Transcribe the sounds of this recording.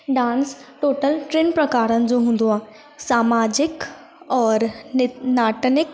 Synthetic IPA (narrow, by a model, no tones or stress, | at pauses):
ɖãːnsʈoːʈəlʈɾenpɾɐkaːɾənɪ̆d͡ʑoɦũːn̆d̪oaː | saːmaːd͡ʒɪk | ɔːɾnaːʈənɪk